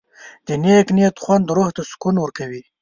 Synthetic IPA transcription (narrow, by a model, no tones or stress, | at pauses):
d̪̥əneknet̪χwand̪ɾoht̪askunwəɾkawi